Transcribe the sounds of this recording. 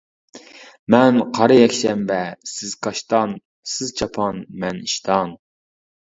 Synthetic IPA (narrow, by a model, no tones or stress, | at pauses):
mɛnqʰɑɾɨjɛkʲʃɛmbɛsɪz̥kʰɑʃt̪ɑn | sɪzt͡ʃʰɑpʰɑnmɛniʃt̪ʰɑn